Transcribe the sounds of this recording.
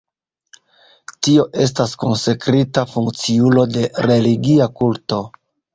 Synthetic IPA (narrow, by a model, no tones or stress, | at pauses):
tio̞ʔe̞s̬taskonse̞kɾitafuŋkt͡siulo̞de̞ɾe̞liɡiakulto̞